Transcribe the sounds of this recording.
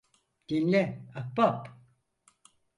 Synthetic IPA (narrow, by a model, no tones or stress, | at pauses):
d̪̥inlʲɛak̚bap